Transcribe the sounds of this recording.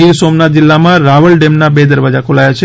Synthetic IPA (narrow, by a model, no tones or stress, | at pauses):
iɾsomnat̪̚d͡ʒɪlːamãɾaʋəɭɖemnabed̪əɾʋad͡ʒakʰolajat͡ʃʰe